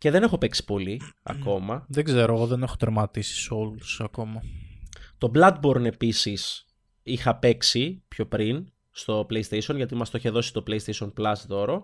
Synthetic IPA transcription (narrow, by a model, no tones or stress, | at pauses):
ce̞ðe̞ne̞xo̞pe̞ksi̥po̞liɐ̰ko̞mɐðeɡze̞ɾoɣoðenexot̪ɾemɐt̪isi̥so̞lusɐko̞mɐ | t̪o̞blɐd̪̚bo̞ɾne̞pisis | ixɐpe̞ksipço̞pɾin | st̪o̞plejist̪esio̞nʝɐt̪̬imɐst̪oiçeðo̞si̥t̪o̞pleist̪esio̞nplɐst̪o̞ɾo